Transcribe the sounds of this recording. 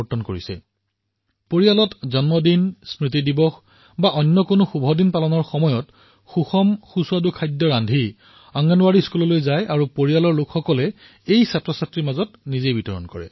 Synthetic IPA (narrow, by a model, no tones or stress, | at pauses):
tːɔnkoɹisɛ̰ | poɹijalɔtzɔnmɔdinsmɹit̬idibɔx | baʔɔnjɔkonʊxubʱɔdinpalɔnɔɹxɔmɔjɔt | xuxɔmxusuwadukʰajdjɔɹandʱi | aŋɡanʊwaɹiskulɔlojzajʔaɹupoɹijalɔɹlʊkxɔkɔlɛ | ejsatɹɔsatɹimazɔtnizejbitɔɹɔ̰nkɔ̰ɹɛ̰